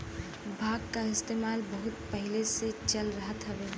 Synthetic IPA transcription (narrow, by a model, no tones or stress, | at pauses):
bʱaːɡ̚kaɪst̪eːmaːlbəɦʊt̪̚pəɦileset͡ʃəlɾəɦət̪ɦəʋeː